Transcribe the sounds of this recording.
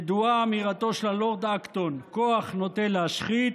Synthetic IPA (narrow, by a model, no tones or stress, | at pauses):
d̪uaːmiʁat̪o̞ʃelaloʁd̪akt̪onko̞aχnot̪eleaʃχit̪